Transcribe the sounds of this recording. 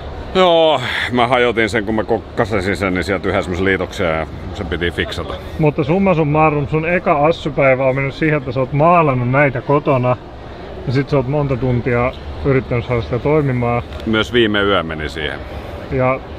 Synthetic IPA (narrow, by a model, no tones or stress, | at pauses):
joːmæhɑjot̪inseŋkummækokːɑsesinsennisiælt̪yhæsemoseliːt̪okseːjɑ | sempit̪ifiksɑt̪ɑ̥mut̪ːɑsumːɑsummɑːrunusunekɑɑsːupæiʋæommenːyssiːheet̪ːæseot̪mɑːlɑnːunnæit̪ækot̪onɑ | jɑsit̪seolt̪mont̪ɑt̪unt̪iɑyrit̪ːænyssɑːɾɑsi̥t̪æt̪oimimɑːmyøsʋiːmeyæmmenisḭːhḛjɑ